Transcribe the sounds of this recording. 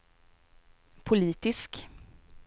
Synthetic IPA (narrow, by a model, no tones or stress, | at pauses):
pʰʊliːt̪ɪsk